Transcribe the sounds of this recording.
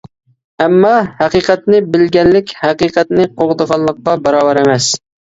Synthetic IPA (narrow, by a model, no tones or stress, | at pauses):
ɛmːɑhæqiːqʰɛt̪nɪbɪlɡʲɛnlːɪkʲhæqiːqɛt̪nɪqʰoʁd̪əʁɑlˠːəq̚qːɑbɑɾɑːbɑɾɛmɛs